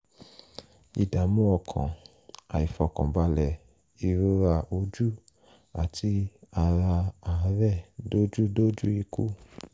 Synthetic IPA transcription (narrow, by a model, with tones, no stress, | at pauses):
i˨da˨mũ˦ɔ˧˨kʰã̰˨ | a̰˨i˨fɔ˨˧˨kɔ̃˨ba˧lɛ˨ | i˨˧˨ɾu˦ɾa˧o˧˦d͡ʒu˦ | a̰˨tʰi˧a˧ɾa˧a˨˦ɾɛ˦˨do˦d͡ʒu˦do˦d͡ʒu˦i˧ku˦